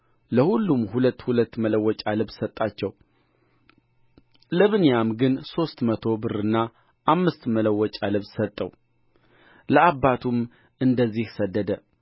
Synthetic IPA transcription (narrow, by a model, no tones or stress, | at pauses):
ləhulːumhulət̪ːhulət̪ːmələwːɔt͡ʃʼalɨβssət̪ʼːat͡ʃːɛw | ləβɨnjamɡɨnso̞st̪mət̪ʰo̞bɨɾɨnːa | ʔamːɨst̪mələwːɔt͡ʃʼalɨβssət̪ʼːəw | ləabːat̪ʰum | ɨnd̪əzːihsəd̪ːəd̪ə